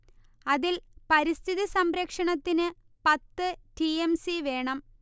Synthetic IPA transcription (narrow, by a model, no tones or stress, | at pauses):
ɐðilpɐɾist̪ʰiðisɐmɾɐkʂɐɳɐt̪ːinɨ | pɐt̪ːɨʈiemsiʋe̞ːɳɐm